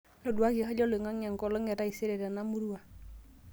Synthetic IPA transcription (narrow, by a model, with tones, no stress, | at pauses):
lɔ˨du˨a˦ki˨ɦɔ˦ɟɔ˦le˨ŋa˦ŋa˨ŋkɔ˨lɔ˦ŋɛ˨ɾa˦i˨se˦ɾe˨da˨na˦mu˦ɾu˦a˨